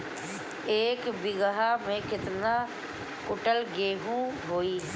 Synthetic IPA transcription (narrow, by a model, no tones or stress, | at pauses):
eːkbɪɡəɦaːmẽːkɪt̪naː | kʊʈəlɡeːɦũːɦoːiː